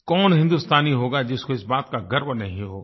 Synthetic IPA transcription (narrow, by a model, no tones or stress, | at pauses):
kɔːnɦɪ̃nd̪ust̪aːniɦoːɡad͡ʒɪskoɪsbaːt̪kaɡɐɾmnɐɦĩɦo̰ː